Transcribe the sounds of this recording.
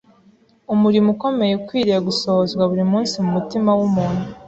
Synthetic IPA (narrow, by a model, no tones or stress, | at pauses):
umuɾimuko̞me̞je̞kwiːɾeaɡuso̞hozɡwaβuɾimuːnsimumutimawumuːnhu